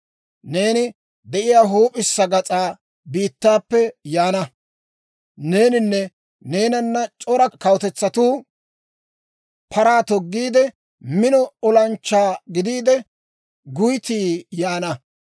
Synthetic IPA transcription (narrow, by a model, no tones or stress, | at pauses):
ne̞ːnɪ | d̪ɛʔɪjaːɦuːpʼɪsːɐɡɐt͡sʼaː | biːt̪ːaːpːɛjaːnɐ | ne̞ːnɪnːɛ | ne̞ːnɐnːɐt͡ʃʼɔɾɐkɐwt̪ɛt͡sːɐt̪uː | pʰɐɾaːt̪ɔɡːiːd̪ɛ | mɪnɔɔlɐnt͡ʃːaːɡɪd̪iːd̪ɛ | ɡʊjt̪iːjaːnɐ